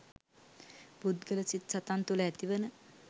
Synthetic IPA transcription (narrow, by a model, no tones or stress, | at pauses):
bud̪ɡələsit̪sat̪ant̪ulɛt̪iʋənə